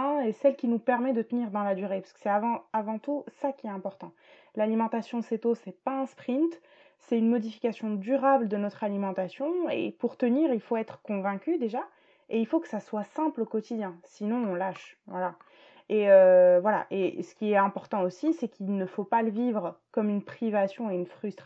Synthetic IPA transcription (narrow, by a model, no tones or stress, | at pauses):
ɛ̃esɛlkʲinupɛʁmɛd̪ət̪əniʁd̪ɑ̃lad̪yʁepḁskə̥sɛavɑ̃avɑ̃t̪usakʲiɛt̪ɛ̃pɔʁt̪ɑ̃ | lalimɑ̃t̪asjɔ̃sɛt̪osɛpaɛ̃spχĩnt̪ | sɛtynmɔd̪ifi̥kʲasjɔ̃d̪yʁabləd̪ənɔt̪χalimɑ̃t̪asjɔ̃ḛpuʁt̪əniːʁilfoɛt̪χə̥kɔ̃vɛ̃kʲyd̪eʒa | eilfokə̥saswasɛ̃plokɔt̪id̪jɛ̃sinɔ̃ɔ̃laʃvwala | eøvwala̰ʔesə̥kʲiɛt̪ɛ̃pɔʁt̪ɑ̃osisɛkʰilnəfopaləvivʁəkɔmynpχivasjɔ̃eynfχyst̪χ